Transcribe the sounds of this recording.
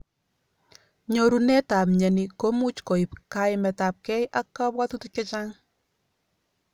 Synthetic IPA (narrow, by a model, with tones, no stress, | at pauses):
ɲo˨ɾu˨nɛ˦ta˨pɲɛ˨ni˨ko˦mu˦t͡ʃko˨i˨pkaɪmɛ˨ta˨p̚kɛ˦jʔa˦kːa˦bwa˦tu˦tu˦ke˦t͡ʃaŋ